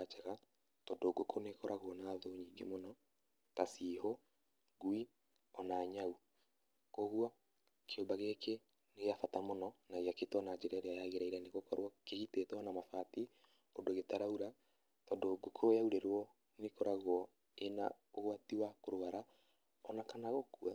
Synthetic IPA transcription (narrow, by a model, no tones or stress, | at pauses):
at͡ʃaɣa | tɔdoɡokʰonekɔɾʔaɣwɔnaːðoɲiːŋɡḛmonɔ | kasiːho | ɡwi | ɔnaɲau | koɣwa | kʰeombaɣeke | neɣeafatamonɔnaɣeaketwɔnad͡ʒeɾaɾeajaɣeɾaiɾaneɣokɔɾwɔkeɣitetwɔnamafati | odoɣetaɾauɾa | tɔdoɡokʰojauɾeɾwɔ | nekɔɾaɣwɔ | ena | oɣwatiwakoɾwaɾa | ɔnakanaɣokua